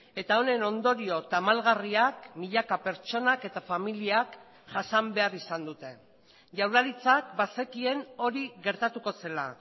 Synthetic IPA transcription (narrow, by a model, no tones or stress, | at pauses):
e̞t̪ao̞ne̞no̞nd̪o̞ɾio̞t̪amalɣariakmiʎakape̞ɾt͡ʃo̞nake̞t̪afamiliak | ʝasambe̞arisand̪ut̪e̞ | ʝawlaɾit͡sak̚base̞kie̞no̞ɾiɣe̞ɾt̪at̪uko̞se̞la̰